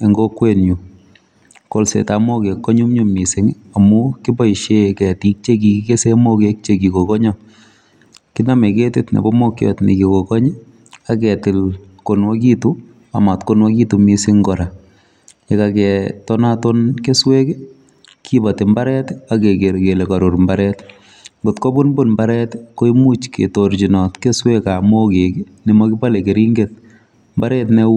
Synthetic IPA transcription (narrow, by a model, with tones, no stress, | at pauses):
e˨ŋɡo˦kwe˦nju˨ | ko˦lsḛ˨tamo˦ke˨kːɔ˦ɲu˦mɲu˦mi˨sɪŋ | a˨muki˦bɔ˦i˨ʃekɛ˨ti˨˦k̚t͡ʃe˦ki˨kike˦se˦mo˦kek̚t͡ʃe˦ki˨ko˨kɔ˦ɲɔ | ki˦na˦me˨ketɪ˦tnḛ˨bɔ˦mo˦kjɔ̰tnḭ˨kiko˨kɔ˦ɲɛ˦ | akɛtɪ˨l | konwɔ˦k̬i˦tu | a˨ma˨tko˦nwɔ˦ki˦tu˨misɪ˦ŋɡɔ˨ɾa˨ | ekakɛtɔnatonke˦swe˦ke | kʰibate˨mbaɾɛtakekeɾkele˨kɔɾu˨ɾmbaɾɛt | ɡotko˦bu˦nbonmbaɾɛtko˦imu˦t͡ʃkḛtort͡ʃinɔ˨tke˦swekamo˦keke | ni˨mɔkɪ˦pa˦leke˨ɾiŋɡet̚ | mba˦ɾɛtne